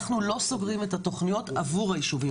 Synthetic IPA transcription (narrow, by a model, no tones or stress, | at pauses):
χnulo̞so̞ɡʁimetato̞χnijo̞tavuʁhajiʃuvi